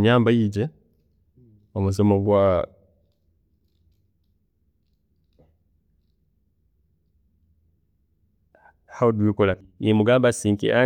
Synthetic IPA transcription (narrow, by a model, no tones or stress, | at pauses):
ɲaːmbajiɟe | omuzomoɡwa | haodwikola | jemuɡaːmbasiːŋkḛʔa